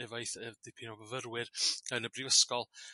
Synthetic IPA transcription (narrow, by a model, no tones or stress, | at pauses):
ɛvajθɛd̥ɪpʰinɔvəvəɾwɪrɡ̥anəbrivəskɔlˠ